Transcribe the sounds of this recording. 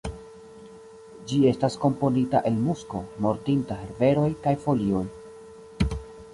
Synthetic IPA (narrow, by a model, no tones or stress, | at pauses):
d͡ʒie̞stasko̞mpo̞nita̰ʔe̞lmusko̞mo̞ɾtintaɦe̞ɾve̞ɾo̞jkajfo̞lio̞j